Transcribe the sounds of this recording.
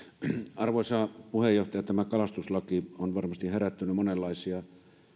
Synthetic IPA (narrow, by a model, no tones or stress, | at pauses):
ɑrʋoisɑpuhejoht̪ɑjɑt̪æmækɑlɑst̪uslɑkionʋɑrmɑst̪iheræt̪ːynymonelːɑisiɑ